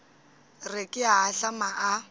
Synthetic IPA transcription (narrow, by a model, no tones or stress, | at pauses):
rɪkʼɪaːɬamaʔa